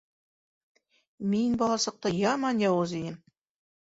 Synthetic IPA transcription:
minbɑlˠɑsɤ̆q̚t̪ɑjɑmɑnjɑwozid̪ɘm

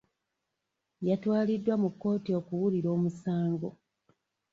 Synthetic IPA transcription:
jatwaːlidːwamukːo̞ːtio̞kuwuliɾo̞ːmusaːŋɡo̞

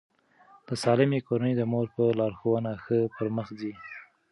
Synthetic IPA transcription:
d̪əsɑlɪmekoɾanəjd̪əmoɾpəlɑɾxowənaxəpəɾməxzi

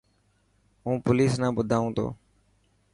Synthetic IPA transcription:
ɦũːpoliːsnãːbʊd̪ʱaːũːt̪ʰo̰ː

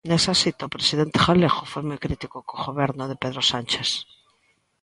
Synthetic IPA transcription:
nesasit̪aopɾesiðent̪e̥xaleɣofojmojkɾit̪ikokoɣoβeɾnʊðepeðɾosant͡ʃes

